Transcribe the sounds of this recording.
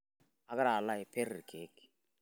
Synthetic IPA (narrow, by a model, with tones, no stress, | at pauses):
a˨ka˦ɾa˨la˦ɪ˨pe˦ɾi˨kʰe˨˦k